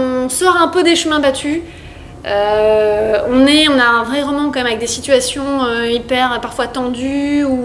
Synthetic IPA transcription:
ɔ̃sɔʁɛ̃pød̪eʃəmɛ̃bat̪ʰy | ø | ɔ̃nɛɔ̃naɛ̃vʁɛʁɔmɑ̃kɑ̃mɛmavɛk̚d̪esit̪ɥasjɔ̃øipɛʁpaʁfwat̪ɑ̃d̪yu

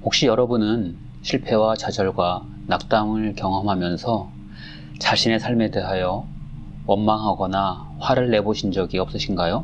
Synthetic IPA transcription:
hok̚ɕ͈ijʌɾʌbunɯn | ɕʰiɭpʰe̞wat͡ɕad͡ʑʌɭɡwa | nak̚t͈aŋɯɭkjʌŋɦʌmɦamjʌnsʰʌ | t͡ɕaɕʰine̞sʰaɭme̞de̞ɦajʌ | wʌnmaŋɦaɡʌna | ɸwaɾɯɭːe̞boɕʰind͡ʑʌɡiʌp̚s͈ɯɕʰinɡajo

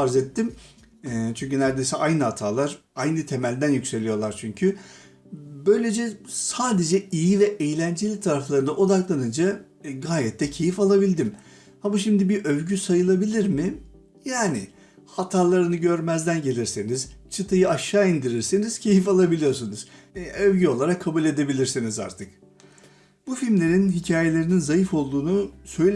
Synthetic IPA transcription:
aɾzet̪ʰːim | ɛt͡ʃʰyɲʲcynæɾd̪ejsɛʔajnɯhat̪ʰaːlˠaɾajnɯt̪ʰe̞mælʲd̪ænjycse̞lʲijo̞lˠaɾt͡ʃʰyɲcʰy | bø̞jlʲe̞d͡ʒɛsaːd̪e̞d͡ʒɛijivɛʔejlʲænd͡ʒelʲit̪ʰaɾaflˠaɾɯnd̪aʔo̞d̪aklˠanɯnd͡ʒa | ɡaːjɛt̪ʰːɛcʰe̞jifalˠabilʲd̪im | hamaʃimd̪ibiʔøvɟysajɯlˠabilʲiɾmɪ | jaːnɪ | hat̪ʰaːlˠaɾɯnɯɟø̞ɾmæzd̪ænɟe̞lʲiɾsiniz̥t͡ʃʰɯt̪ʰajɯaʃːaːind̪iɾiɾsiniz̥cʰe̞jifalˠabilʲijo̞ɾsunuz̥ | øvɟyo̞lˠaɾakʰːabulʲe̞d̪e̞bilʲiɾsiniza̰ɾt̪ʰɯk | bufilmlʲe̞ɾinɦicʰaːje̞lʲe̞ɾininzajifo̞lˠd̪uːnusø̞jlʲ

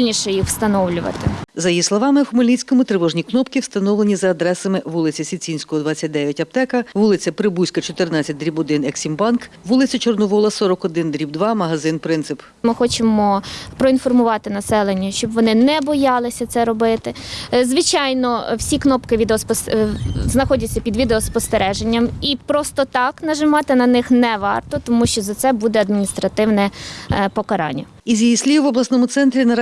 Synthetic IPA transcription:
ilʲnʲiʃɛjixw̥st̪ɐnɔwlʲʊʋɐ̰t̪ɪ̰zɐjislˠɔʋɑmɪxʊmɐlʲisʲkɔmʊt̪ɾɪʋɔʒnʲiknɔpkɪwst̪ɐnɔwlenʲizɐːd̪ɾɛsɐmɪʋulˠɪt͡sʲɐsʲit͡sʲinʲsʲkɔɦɔd̪ʋat͡sʲːɐt̚ʲd̪ɛʋʲjɐtʲɐp̚t̪ɛkɐʋulˠɪt͡sʲɐpɾɪbusʲkɐt͡ʃɔt̪ɪrnɑt͡sʲːɐt̚ʲd̪ɾʲibɔd̪ɪnɛksʲimbɑnk | ʋulˠɪt͡sʲɐt͡ʃɔrnɔʋɔlˠɐsɔɾɔkɔd̪ɪnd̪ɾʲib̚d̪ʋɑmɐɦɐzɪnpɾɪnt̪sɪp | mɪxɔt͡ʃɪmɔpɾɔinfɔrmʊʋɑt̪ɪnɐsɛlˠenʲːɐʃt͡ʃɔbʋɔnɪnɛbɔjɑlˠɪsʲɐt̪sɛɾɔbɪt̪ɪzʋɪt͡ʃɑjnɔwsʲiknɔpkɪʋʲid̪eɔspsznɐxɔdʲɐtt͡sʲːɐpʲid̪ʋʲid̪eɔspɔst̪eɾɛʒenʲːɐmipɾɔst̪ɔt̪ɑknɐʒɪmɑt̪ɪnɐnɪxnɛʋɑrt̪ɔt̪ɔmuʃt͡ʃɔzɐt̪sɛbud̪ɛɐd̪̚mʲinʲist̪ɾɐt̪ɪwnɛpɔkɐɾɑ̰nʲːɐ | izʲjijisʲlʲiʋɔblˠɐsnɔmʊt̪sɛnt̪ɾʲinɐɾ

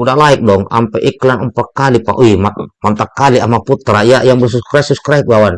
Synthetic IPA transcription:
udahlaik̚dɔŋa̰mpɛʔiklanumpat̪̚kalipa̰ʔuimamant̪akːaliamaput̪ɾaijajaŋbəs̬uskɾasuskɾaik̚bawan

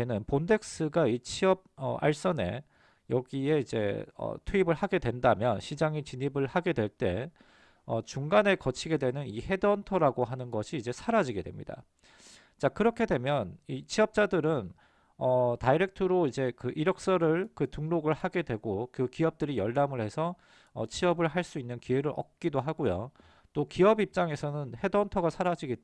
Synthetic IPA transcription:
enɯnponde̞k̚s͈ɯɡait͡ɕʰiʌb̚ʌʔa̰ɭs͈ʌne̞ | jʌɡie̞id͡ʑe̞̰ʌ̰tʰuibɯɭhaɡe̞dwe̞ndamjʌnɕʰid͡ʑaŋit͡ɕiɲibɯɭhaɡe̞dwe̞ɭt͈e̞ | ʌt͡ɕuŋɡane̞kʌt͡ɕʰiɡe̞dwe̞nɯnihe̞dʌntʰʌɾaɡoɦanɯnɡʌɕʰiːd͡ʑe̞sʰaɾad͡ʑiɡe̞dwe̞mɲḭda̰ | t͡ɕakɯɾʌkʰe̞dwe̞mjʌnit͡ɕʰiʌp̚t͡ɕ͈adɯɾɯn | ʌtaiɾe̞k̚tʰɯɾoid͡ʑe̞kɯʔiɾʌk̚s͈ʌɾɯɭkɯtuŋnoɡɯɭhaɡe̞dwe̞ɡokɯkiʌp̚t͈ɯɾijʌɭːamɯɭhe̞sʰʌ | ʌ̰t͡ɕʰiʌbɯɭɦaɭs͈uinːɯnkiweɾɯɾʌ̰k̚k͈idoɦaɡojo̰ | t͈okiʌbip̚t͡ɕ͈aŋe̞sʰʌnɯnhe̞dʌntʰʌɡasʰaɾad͡ʑiɡe

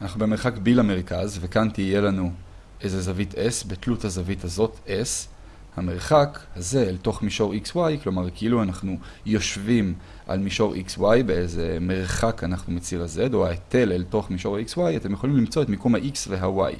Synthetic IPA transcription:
anaχnubemeʁχakbilame̞ʁkazvekantije̞lanu | ʔejzezavitʰesbetluthazavithazo̞tʔes | hame̞ʁ̞χakhaze̞ːlto̞χmiʃo̞ʁikswajklo̞maʁkeiluanaχnu | jo̞ʃvim | ʔa̰lmiʃo̞ʁʔḭkswajbe̞ezeme̞ʁχakanaχnumet͡siʁaze̞dohaete̞lelto̞χmiʃo̞ʁaikswajatemjeolimlimt͡so̞etmikomhaʔiksveɦawa̰j

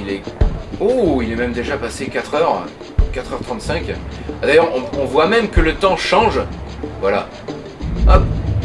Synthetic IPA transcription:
ilɛuilɛmɛmd̪eʒapasekʲat̪χœʁ | kat̪χœʁt̪χɑ̃t̪sɛ̃kʲad̪ajœʁɔ̃ɔ̃vwamɛmkələt̪ɑ̃ʃɑ̃ʒvwala | ɔp̚

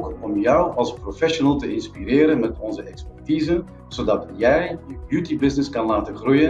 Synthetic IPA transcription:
kɔmjœwɑlˠsprofɛʃonəlˠtəɪnspiɾɪːɾənmɛtɔnzəɛkspɛrtiːzə | z̥odɑtjɛjjəbjutibɪznɪskɑnlaːtəχrujən

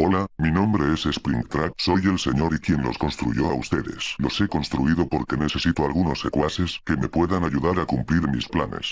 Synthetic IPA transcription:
o̞laminõ̞mbɾe̞ese̞spɾḭŋt̪ɾakso̞je̞lse̞ɲo̞ɾikje̞nlo̞̰skõ̞nst̪ɾṵʝoaust̪e̞ðe̞̰slo̞se̞ko̞nst̪ɾuiðo̞po̞ɾke̞ne̞se̞sit̪oalɣuno̞se̞kwase̞ske̞me̞pwe̞ðanaʝuðaɾakumpliɾmisplane̞̰s

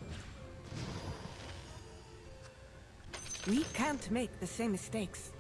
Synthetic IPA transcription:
wikʰæ̃nʔmeɪk̚ðɨsẽɪ̃mːɨsteɪks

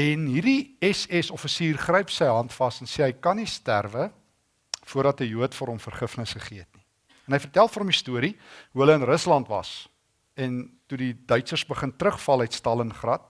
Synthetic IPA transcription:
ɛnɦirdiɛsɛsɔfəsiːrχrəjpsəjɦɐntfɐsɛnseɦəjkɐnistæ̰rvə | fuərdɐtəjuətfoəɾɦɔmfərχəfnəsχəχiəətni | ɛnɦəjfərtælˠfoːɾɔmistuəɾiɦuɦələənrəslɐntvɐ̰s | ɛntudidœɥtsərsbəχəntrəχfɐlˠəjtstɐlənχrɐt̚

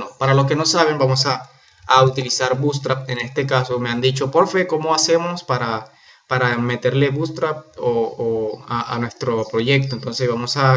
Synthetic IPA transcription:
nopaɾalo̞s̬ke̞no̞saβ̞e̞mbamo̞saː | ut̪ilisaɾbust̪ɾapene̞st̪e̞kasomeand̪it͡ʃo̞poɾfeko̞mo̞ase̞mo̞spaɾa | paɾame̞t̪e̞ɾle̞βust̪ɾap̚ooaʔa̰nwe̞st̪ɾo̞pɾo̞ʝe̞k̚t̪oent̪o̞nseβamo̞sa

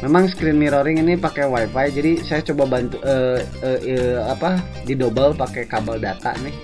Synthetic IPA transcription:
memaŋskɾɪnmiɾoɾɪŋinipakɛwajfajd͡ʒadisajat͡ʃobabant̪uʔə | əapa | didobəlpakɛkabaldat̪a̰nɪh

